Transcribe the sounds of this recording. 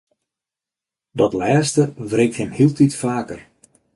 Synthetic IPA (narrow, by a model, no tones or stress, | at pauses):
dɔtlɛːstəvreːk̚thɪmhiəlˠtitfaːkər